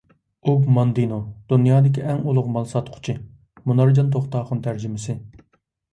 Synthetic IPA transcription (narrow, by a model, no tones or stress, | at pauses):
obmɑnd̪inud̪̥unjɑːd̪ɪkʲʰiʔɛŋulˠʊqmɑlˠsɑt̪qʰʊ̥t͡ʃʰɪ | munɑɾd͡ʒɑnt̪ʰoχt̪ɑːχʊnt̪ʰæɾd͡ʒɪmɪsɪ